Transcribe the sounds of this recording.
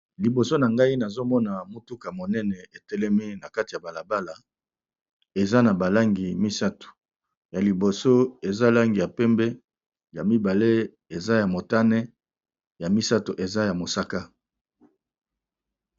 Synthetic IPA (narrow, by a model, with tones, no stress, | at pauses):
li˨bo˨so˦na˨ŋɡa˦i˦na˨zo˦mɔ˦na˨mo˦tu˦ka˨mo˨nɛ˦nɛ˨e˨tɛ˦lɛ˦mi˦na˨ka˦ti˨ja˨ba˨la˨ba˦la˨ | e˨za˦na˨ba˨la˦ŋɡi˨mi˦sa˦to̥˨ | ja˨li˨bo˨so˦e˨za˦la˦ŋɡi˨ja˨pɛ˦mbɛ˦ | ja˨mi˦ba˨le˦ | e˨za˦ja˨mo˨ta˦nɛ˦ | ja˨mi˦sa˦to˨ʔe˨za˦ja˨mo˨sa˦ka˦